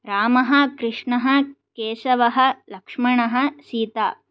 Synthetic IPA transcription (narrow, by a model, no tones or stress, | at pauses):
ɾaːmɐɦɐ̆kɾɪʂɳɐɦɐ̆ | keːʃɐʋɐɦɐ̆lɐkʂmɐɳɐɦɐ̆siːt̪a̰ː